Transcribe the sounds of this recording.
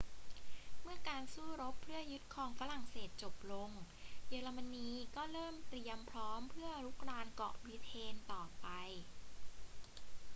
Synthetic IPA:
mɯ˥˩ɐkaː˧nsuː˥˩ɾo˦˥pʰːɾɯ˥˩ɐjɯ˦˥t̪̚kʰɔː˧ŋfaː˧˥ɾa˨˩ŋseː˨˩t̪̚t͡ɕo˨˩p̚lo˧ŋ | jeː˧ɾa˧ma˧niː˧kɔː˥˩ɾɤː˥˩mt̪ɾi˧əmpʰɾɔː˦˥mpʰɯ˥˩ɐəɾu˦˥k̚ɾaː˧nkɔ̰ː˨˩pɾi˧t̪ʰeː˧nt̪ɔː˨˩pa˧j

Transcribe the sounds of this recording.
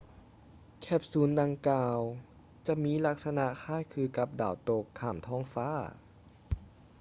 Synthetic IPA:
kʰɛ˧˩p̚suː˩˦nda˧ŋkaː˧w | t͡ɕa˧miː˧˥˨la˧˥k̚sa˧na˧kʰaː˧˥˩jkʰɯː˧ka˧˦p̚daː˨˩wt̪o˧˩kʰːaː˧˩mt̪ʰɔː˧˥˨ŋfaː˧˥˩

